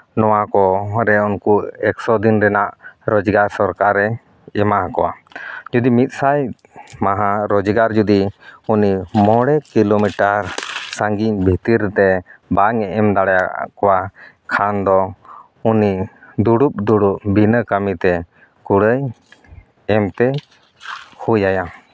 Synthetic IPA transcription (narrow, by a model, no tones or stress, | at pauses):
nɔwakɔɾɛunkuɛksɔd̪inɾɛnaʔɾɔd͡ʒɡaɾsɔɾkaɾɛ | ɛmaɦakɔwa̰d͡ʒud̪imit̪̚ˀsaj | maɦãɾɔd͡ʒɡaɾd͡ʒud̪iunimɔɽɛkilomiʈaɾsaŋɡiɲbʱit̪iɾt̪ɛbaŋɛʔɛmd̪aɽaja̰kɔwa | kʰand̪ɔ | unid̪uɽup̚d̪uɽuʔ̚bʱinəkamit̪ɛ | kuɽəj | ɛmt̪ɛ | hujaja